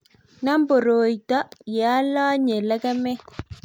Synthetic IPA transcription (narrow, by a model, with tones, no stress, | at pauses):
na˦mbo˨ɾoː˨jta˦jɛ˨a˦la˦ɲe˨lɛ˦kɛ˦mɛ˦